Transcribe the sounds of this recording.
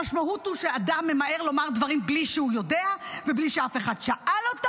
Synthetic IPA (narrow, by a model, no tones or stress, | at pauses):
aʃmaut̪uʃead̪amːe̞maʔeʁlo̞maʁd̪vaʁimbliʃehujo̞deavebliʃeafe̞χad̪ʃaʔalot̪a